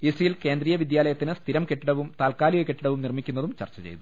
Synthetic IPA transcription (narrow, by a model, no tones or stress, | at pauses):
isrijilke̞ːnd̪riːjɐʋid̪jaːlɐjɐt̪ːinɨst̪ʰiɾɐmkeʈːiɽɐʋumt̪aːlkaːlijokeʈːiɽɐʋumnirmikʲːunːɐðumt͡ɕɐ̰rt͡ɕːɐt͡ɕḛjt̪u